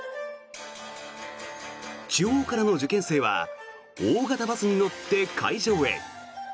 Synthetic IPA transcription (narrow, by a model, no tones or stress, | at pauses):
t͡ɕɨoːkaɾano̞d͡ʑɨkẽ̞ɰ̃se̞ːβa̰ | oːɡat̪abat͡sɨɲ̟ino̞t̪ːe̞kʰa̰iʑo̞ːe̞̰